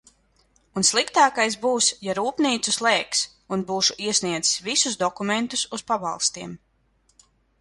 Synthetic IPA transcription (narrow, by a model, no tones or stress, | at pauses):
unslˠikt̪aːkajs̬buːsjaɾuːpniːt̪suslˠɛːks | unbuːʃuʔiɛsʲniɛd̪zi̥svisusd̪ɔkument̪ususpaba̰lˠst̪iɛm